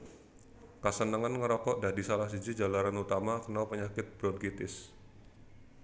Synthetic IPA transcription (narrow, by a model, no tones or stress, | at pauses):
kasənəŋanŋəɾɔkɔʔdadisalahsid͡ʒid͡ʒalaɾanut̪amakənawpəɲakɪt̪̚b̥ɾɔt̪̚ɡit̪ɪs